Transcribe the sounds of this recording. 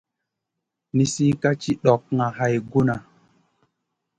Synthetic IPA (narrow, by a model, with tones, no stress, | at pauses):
ni˨si˦ka˦t͡ʃi˦ɗɔ˨k̚ŋa˨ha˨jɡu˦na˨